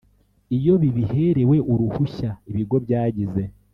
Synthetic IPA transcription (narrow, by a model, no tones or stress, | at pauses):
ijo̞βiβihe̞ɾe̞we̞ʔuɾuhuʃaiβiɡo̞βjaːɟize̞